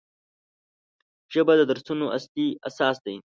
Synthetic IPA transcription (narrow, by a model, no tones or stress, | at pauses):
ʒəbad̪əd̪aɾsunoʔa̰slia̰sɑːsd̪ain